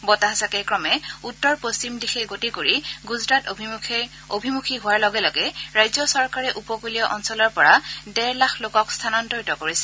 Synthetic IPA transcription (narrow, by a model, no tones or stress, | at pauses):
bɔtaɦasakɛkɹɔmɛutːɔɹpost͡ʃimdixɛɡotikoɹiɡuzɹat | obʱimukʰiɦʊwaɹlɔɡɛlɔɡɛɹajzɔsɔɹkaɹɛʔupɔkulijɔʔɔnsɔlɔɹpɔɹadɛɹlaxlokɔkstʰanɔntɔɹitɔkoɹisɛ̥